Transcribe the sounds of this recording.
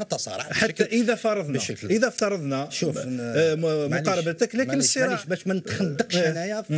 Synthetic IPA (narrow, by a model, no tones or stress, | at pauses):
t̪ːɑsˤɑ̰ɾˤħat̪ːæʔəðæfɑɾˤɑd̪ˤnʔəðæft̪ɑɾˤɑd̪ˤnæʃu | mʊqɑɾˤɑbət̪æklæənəsˤːiɾˤɑbæʃmænət̪xəd̪ːəqʃnæjæ